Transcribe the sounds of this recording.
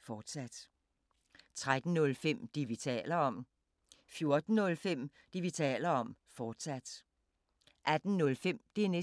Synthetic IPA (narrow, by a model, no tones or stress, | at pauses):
fɒːd̥sæd̥ | t͡sʰʁad̥n̩nɔ̽lfem̰d̥iʋit͡sʰɛ̰ːlɐɒ̽m | fjo̝ɐd̥n̩ːɔ̽lfem̰ | d̥iʋit͡sʰɛ̰ːlɐɒ̽m̰ | fɒːd̥sæd̥ | ʔæd̥n̩nɔ̽lfem̰d̥e̝æne